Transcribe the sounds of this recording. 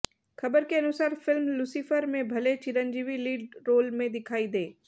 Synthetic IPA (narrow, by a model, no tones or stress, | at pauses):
xɐbəɾkeɐnʊsaːɾfɪlmlʊsifəɾmẽbʱɐlet͡ʃɪɾənd͡ʒiʋiliːɖɾoːlmẽd̪ɪkʰaːid̪eː